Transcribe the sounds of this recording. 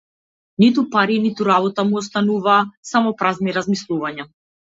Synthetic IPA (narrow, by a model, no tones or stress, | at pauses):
nit̪upaɾinit̪uɾaβɔt̪amuɔst̪anuvaːsamɔpɾazniɾazmislˠuvaɲa